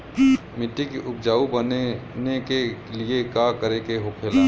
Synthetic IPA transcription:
mɪʈːikiʔʊp̚d͡ʒaːubənenekeliekakəɾekeɦokʰeːlaː

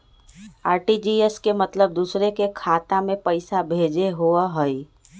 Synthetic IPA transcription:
aːɾʈid͡ʒieskemət̪ləb̚d̪uːsɾekekʰat̪amẽpəɪsabʱed͡ʒeɦoəɦəi

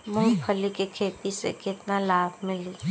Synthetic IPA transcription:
mũːpʰəlikekʰeːt̪isḛkɪt̪nalaːbʱmɪliː

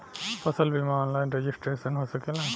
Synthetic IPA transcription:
pɐsəlbʱimaːnlaːɪnɾed͡ʒisʈɾeːʃənɦoːsɐkelã

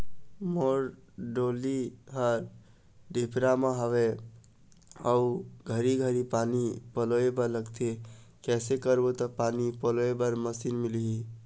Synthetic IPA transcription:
moɾ | ɖoliɦəɾ | ɖepʰɾameɦəʋe | əuɡʱəɾiɡʱəɾipanipəloebəɾləɡt̪ʰe | kɛsekəɾbot̪əpanipəloebəɾməsinmiliɦi

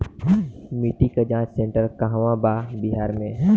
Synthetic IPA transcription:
miʈikad͡ʒãːt͡ʃsẽɳʈəɾkaɦʋãbabiɦaːɾmẽ

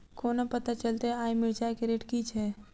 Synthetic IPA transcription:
koːnapət̪at͡ʃəlt̪eaːjmed͡ʒakeɾeːʈkit͡ʃʰɛː

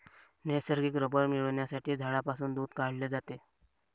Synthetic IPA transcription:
nesəɾɡiːkɾəbəɾmiɭəɳjasaʈʰiːd͡zʱaɭapasuːnd̪uːd̪kaɽled͡zat̪e

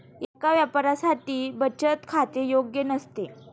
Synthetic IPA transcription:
jakaʋjapɾasaʈiːbət͡ɕət̪kʰat̪ejoɡjənəst̪e

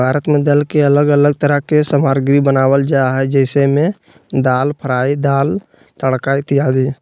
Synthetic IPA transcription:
bʱaːɾət̪mẽd̪əlkeələɡələɡ̚t̪əɾəɦkesəmaːɾɡɾibənaːwəld͡ʒaɦɛd͡ʒɛːɪsemẽ | d̪aːlpʰəɾaːid̪aːl | t̪əɽkait̪ijaːd̪iː

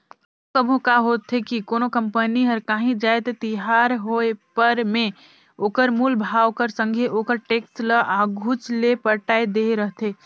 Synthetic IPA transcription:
okəbʱõkaɦot̪ʰɦekikonokəmpəniɦəɾkãːɦĩd͡ʒaet̪et̪iɦaɾɦoepəɾme | oːkəɾmulbʱawkəɾsə̃ŋɡʱeʔokəɾʈekstləʔaɡʱut͡ʃlepəʈaed̪eɾəɦt̪ʰe

